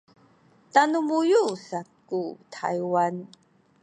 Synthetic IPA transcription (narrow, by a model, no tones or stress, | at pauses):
tanumujusakːutʰa̰jwan